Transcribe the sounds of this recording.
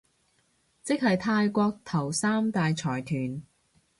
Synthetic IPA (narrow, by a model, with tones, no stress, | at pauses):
t͡sɪ˥k̚hɐ˨jt̪ʰaː˧jkʷɔː˧k̚t̪ʰɐ˨˩wsaː˥mt̪aː˨jt͡sʰɔː˨˩jt̪ʰyː˨˩n